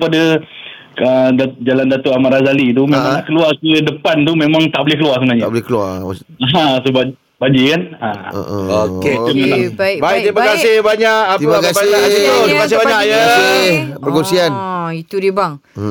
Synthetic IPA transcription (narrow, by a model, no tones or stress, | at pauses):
pada | əd͡ʒalandat̪oʔamaɾazalit̪umẽmãŋlaʔkəluarkədəpant̪umemãŋt̪aʔbolekəluarsəbənaɲablkəlaaasəba | baɲd͡ʒikana̰oket̪əmaabaiimakasɪhbaɲaʔiakabaaoimakas̬ɪbaɲakjaasɪbəɾkonsianit̪udibaŋ